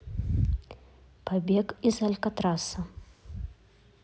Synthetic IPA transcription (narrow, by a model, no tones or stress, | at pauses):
pabʲekizɐlʲkɐt̪ɾasɐ